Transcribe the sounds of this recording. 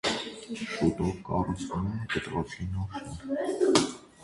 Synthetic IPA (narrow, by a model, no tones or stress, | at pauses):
ʃut̪ɔvkɑ̰rut͡sʰvnumɛkət̪ɾɔt͡sʰinɔɾ